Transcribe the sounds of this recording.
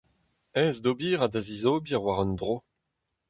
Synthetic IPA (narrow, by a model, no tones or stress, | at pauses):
ɛːzdobiːʁadazizoːbiawaʁɔnd̪ʁo